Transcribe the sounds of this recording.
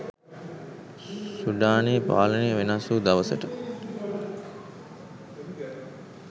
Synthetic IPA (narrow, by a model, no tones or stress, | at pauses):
suɖaːniːpa̰ːləneʋenasuːd̪aʋəsəʈə